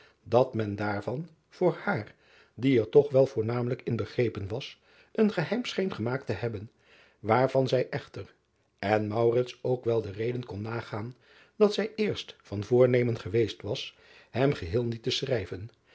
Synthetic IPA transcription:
dɑtmɛndaːɹvɑn | v̥ʊːɹhaːr | diɛɹtɔχʋɛlˠvʊːɹnaːmələkɪnbəχrejpənʋɑs | ʔənχəɦɛjmsχejnχəmaːktəɦɛbən | ʋaːɹv̥ɑnzɛjʔɛχtər | ɛnmʌwrɪtsowkʋɛlˠdərejdənkɔnːaːχaːn | d̥ɑtsɛjɪːɹstfɑnvʊːɹnejmənχəʋejstʋɑs | hɛmχəɦɪːlˠnitəsrɛjvən

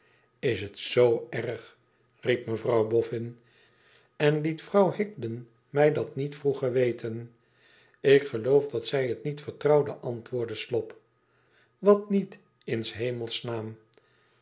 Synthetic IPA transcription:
ɪsətsowɛrχ | rip̚məvrɑwbɔfɪn | ɛnlitfrɑwhɪɡ̚dən | mɛjdɑtnitfruχəɹʋejtʰən | ɪkχəlowfdɑtsɛjətnitfəɹtrɑwdəʔɑntʋʊːɹdəslɔp | ʋɑtnit | ɪnsɦejməlˠsnaːm

